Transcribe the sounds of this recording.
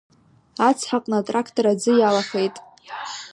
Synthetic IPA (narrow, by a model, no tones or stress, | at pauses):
at͡sʰħaqʼnatʼrakʰtʰʼoɾad͡zɨjalaχe̞jtʼ